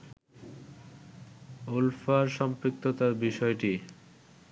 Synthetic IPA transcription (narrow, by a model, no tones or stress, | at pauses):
ulfaɾʃɔmpɾik̚t̪ot̪aɾbiʃɔeʈi